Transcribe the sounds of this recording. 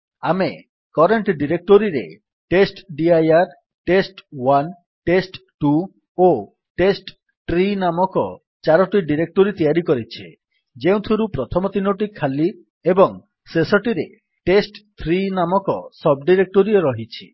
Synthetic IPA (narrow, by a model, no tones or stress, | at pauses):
ame | kɔɾeɳʈɖiɾek̚ʈoɾiɾḛ | ʈesʈɖiajaɾ | ʈesʈwan | ʈesʈʈu | o | ʈesʈ | ʈɾinamɔkɔ | t͡ʃaɾɔʈiɖiɾek̚ʈoɾit̪ijaɾikɔɾit͡ʃʰi | d͡ʒeũt̪ʰuɾupɾɔt̪ʰɔmɔt̪inoʈikʰːali | ebɔŋ | sesɔʈiɾe | ʈesʈt̪ʰɾinamɔkɔsɔb̚ɖiɾek̚ʈoɾiɔɾɔɦit͡ʃʰi̥̰